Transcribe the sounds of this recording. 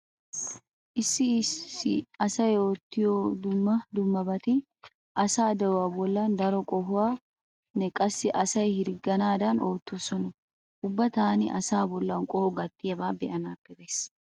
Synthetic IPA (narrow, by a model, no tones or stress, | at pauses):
ʔɪsːɪɪ̰ɐsɐjoːt̪ːɪjoːd̪ʊmːɐd̪ʊmːɐbɐt̪ɪ | ʔɐsaːd̪ɛwaːbɔlːand̪ɐɾɔkʼɔhʊwaː | nɛkʼɐsːɪʔɐsɐjhɪɾɡɐnaːd̪ɐnoːt̪ːosɔnɔ | ʔʊbːɐt̪aːnɪʔɐ̰saːbɔlːɐnkʼɔhʊɡɐt̪ːɪjɐbaːbɛ̰ʔɐnaːpːɛbeːs